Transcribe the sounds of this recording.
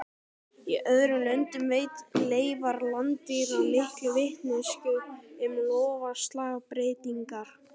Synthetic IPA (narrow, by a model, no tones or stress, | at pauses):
iʔœðɾʏlœnt̪ɪmveːjt̪leːjvaɾlant̪ɪɾlɪhklvɪht̪nɪscʏɪmlɔːvast̪laːɣpɾeːt̪iŋkaɾ̥